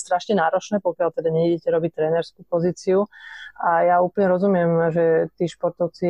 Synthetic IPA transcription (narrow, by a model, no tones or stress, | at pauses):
st̪ɾaʃɲɛnaːɾɔt͡ʃnɛːpɔkɪalt̪ɛd̪aɲɛiɟɛcɛɾɔbic̚t̪ɾɛːnɛɾskupɔziːt͡siuʔajauːplɲɛɾɔzumɪɛmʒɛt̪iːʃpɔɾt̪ɔʊt͡si